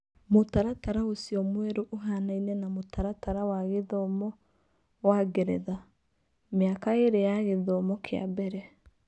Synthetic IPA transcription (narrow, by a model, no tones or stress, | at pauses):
motaɾataɾaosiɔmwɛɾoʔoɦanainɛnamotʰaɾataɾawaɣeðɔmɔ | waɡɛɾɛ̰ða | mjakaeɾejaɣeðɔmɔkʰea̰bɛɾɛ